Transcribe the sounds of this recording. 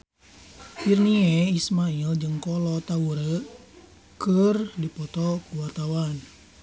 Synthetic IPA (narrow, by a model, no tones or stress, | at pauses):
firniɛismaild͡ʒɨŋkɔlɔt̪auɾə | kərdipɔt̪ɔkuwart̪awan